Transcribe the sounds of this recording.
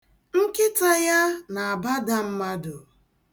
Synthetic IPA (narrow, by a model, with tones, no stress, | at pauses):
ŋ̩˦kɪ˦ta˦ja˦na˨a˨ba˦da˦m̩˦ma˦dʊ˨